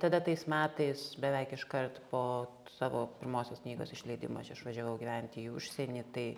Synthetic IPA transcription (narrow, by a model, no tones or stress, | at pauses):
t̪ɐd̪ɐt̪ɐɪsmʲæːt̪ɐɪsbʲɛʋʲɛɪkɪʃkɐrt̪poːsɑːʋoːpʲɪɾmoːsʲoːskʲnʲiːɡo̰ːsɪʃʲlʲɐɪd̪ʲɪ̰mo̰ːɐt͡ʃɪʃʋɐʒʲɛʋɐʊɡʲiːʋʲænʲt̪ʲɪːʊʃʲsʲenʲiːt̪ɐɪ